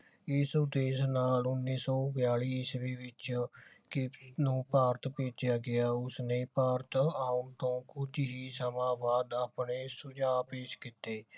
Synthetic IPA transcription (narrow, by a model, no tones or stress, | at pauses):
ɪsd̪eːsnaːlʊnːiːsɔːbjaːɭiːɪsʋiːʋɪt͡ʃkɪpnũːpaːɾt̪peːd͡ʒɪjaːɡɪaːʊsnẽːpaːɾt̪aːʊnt̪õːkʊd͡ʒ̪ɦiːsəmãːbaːd̪aːpneːsʊd͡ʒaːpeːʃkɪt̪eː